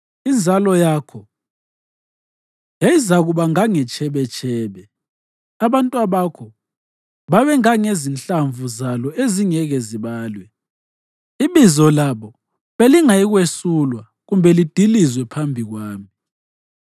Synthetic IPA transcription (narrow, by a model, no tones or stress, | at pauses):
ind͡zʱalɔjaːkʰɔ | jajizaɣuβaŋaŋɛt͡ʃʰʼɛβɛt͡ʃʰʼɛːβɛ | aβantʼuaβakʰɔ | βaβɛŋaŋezinɬaɱvuzalɔʔeziŋɛɣɛziβaːlwɛ | iβizɔlaβɔ | βeliŋajiɣwesulwa | ɣumbʱɛlid̥ʱilizwɛpʰambʱiɣwaːmi